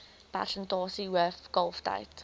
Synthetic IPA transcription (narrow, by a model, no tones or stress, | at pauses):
b̥a̰ɬəndoːsiwəfɡ̥ɔlˠfd̥a̰jtʰ